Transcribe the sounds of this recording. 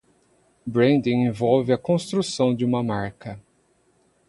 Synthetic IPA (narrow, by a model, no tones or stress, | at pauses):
bɾẽnd̪ĩẽvɔwvɪɐkõst̪ɾusɐ̃w̃d͡ʒɪũmɐmaɾkɐ